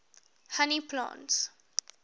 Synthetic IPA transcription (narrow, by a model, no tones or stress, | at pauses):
hanipʰlã̰nts